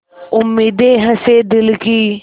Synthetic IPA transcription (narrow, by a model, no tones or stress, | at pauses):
ʊmːiːd̪eːɦəseːd̪ɪlkiː